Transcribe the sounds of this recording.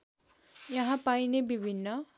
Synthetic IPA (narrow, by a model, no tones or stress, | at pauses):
jʌɦãpajnebibʱinːʌ